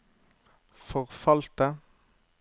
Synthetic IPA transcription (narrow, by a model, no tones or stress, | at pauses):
fɔʁfɑlt̪ə